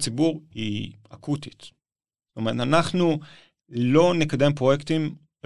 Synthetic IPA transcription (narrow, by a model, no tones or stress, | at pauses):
t͡sibuʁḭ | akut̪i̥t̪ | ztomeʁt̪anaχnu | lo̞nekade̞mpʁo̞jekt̪im